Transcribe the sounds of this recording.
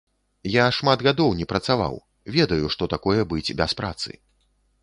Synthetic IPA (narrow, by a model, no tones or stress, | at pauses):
jaʂmad̪ɣad̪ɔwnʲɛpɾɐt̪sava̰w | vʲɛd̪ɐjuʂt̪ɔt̪akɔjɛbɨd͡zʲbʲɛspɾa̰t̪sɨ̰